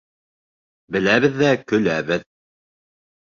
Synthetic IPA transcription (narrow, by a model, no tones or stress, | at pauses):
bɘ̆læβɘðːækɵ̆læβɘð